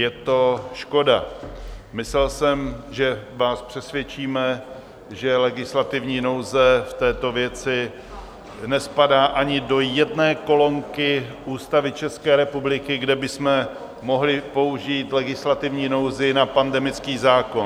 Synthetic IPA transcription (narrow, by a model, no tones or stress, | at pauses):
jɛt̪o̞ʃko̞da | mɪslɛlsɛmʒɛvaːspr̝̥ɛsvjɛt͡ʃiːmɛ | ʒɛlɛɡɪslat̪ɪvɲiːno̞wzɛft̪ɛːt̪o̞vjɛt͡sɪ | nɛspadaːʔaɲɪdo̞jɛdnɛːko̞lo̞ŋkɪʔuːst̪avɪt͡ʃɛskɛːɾɛpublɪkɪɡdɛbɪsmɛ | mo̞ɦlɪpo̞uʒiːt̪lɛɡɪslat̪ɪvɲiːno̞wzɪnapandɛmɪt͡skiːzaːko̞n